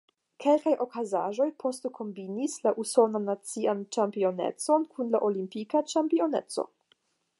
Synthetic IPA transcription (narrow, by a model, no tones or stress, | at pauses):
kʰe̞lkajʔo̞kazaʒo̞jpʰo̞stokʰo̞mbinislaʔuso̞nanat͡siant͡ʃampio̞nḛt͡so̞nkunlaʔolimpikat͡ʃampio̞ne̞̰t͡so̞̰